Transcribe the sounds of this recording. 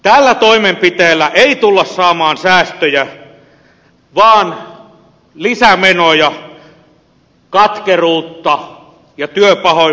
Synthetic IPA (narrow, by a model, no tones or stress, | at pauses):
t̪ælːæt̪oimempit̪eːlːæʔeit̪ulːɑssɑːmɑːnsæːst̪øjæ | ʋɑːn | lisæmenojɑ | kɑt̪keruːt̪ːɑ | jɑt̪yøpɑho